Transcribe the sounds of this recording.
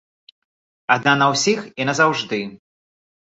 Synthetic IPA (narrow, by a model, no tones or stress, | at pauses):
ad̪nanɐwsʲixinɐzawʐd̪ɨ